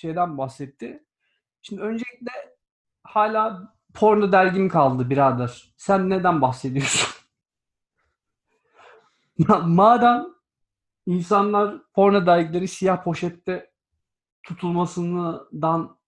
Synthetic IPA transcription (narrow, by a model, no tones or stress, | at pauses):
ʃe̞jd̪ænbaxsɛt̪ʰːɪ | ʃimd̪iø̞nd͡ʒelʲicʲlʲɛ | haːlʲaː | pʰo̞ɾnad̪æɾɟimikʰalˠd̪ɯbiɾazd̪aɾ̥ | sænːed̪ænbaxse̞d̪ijo̞su̥n | mamaːd̪æn | insanlˠaɾpʰo̞ɾnad̪æɾɟilʲe̞ɾisijahpʰo̞ʃɛt̪ːɛ | t̪ʰut̪ʰulˠmasɯnɯd̪an